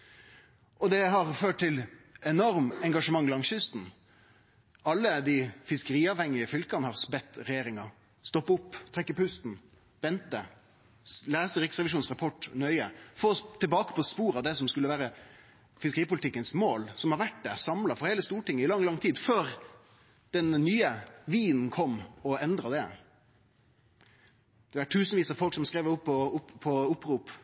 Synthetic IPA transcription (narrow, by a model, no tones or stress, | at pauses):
ʔɔd̪ɛɦɑʁføːʈ̚t̪ɪlɛnɔɾmɛŋɡɑʂəmɑŋːɪlɑŋɕʏst̪n̩ | ɑlːəd̪ɪfɪskəɾiːɑːʋhɛŋːɪəfʏlkɑnəhɑʁsbɛt̪ːɾɛjeːɾɪŋɑ | st̪ɔpːʊpːt̪ʰɾɛkːəpʉst̪n̩ | ʋɛnt̪ə | læːsəɾɪksʁɛʋɪʃuːnsʁɑpʰɔʈnœʏəfoːt̪ʰɪlbɑːkə̥pʰɔspuːɾɑd̪ɛsɔmskʉlːəʋæːɾə | fɪskəɾiːpʊlɪt̪ɪkːənsmoːlsɔmhɑɾʋæʈ̚d̪ɛsɑmlɑfɔɾheːləst̪uːʈɪŋːəɪlɑŋːlɑŋt̪ʰiːd̪føːɾ | d̪̥ɛnnyːəʋiːnn̩kʰɔmːɔɛnd̪ɾɑd̪ɛ̰ | d̪̥ɛæʈʰʉːsnʋiːsɑfɔlksɔmskɾeːʋəɾʊpːɔʊɔʊpːɾuːp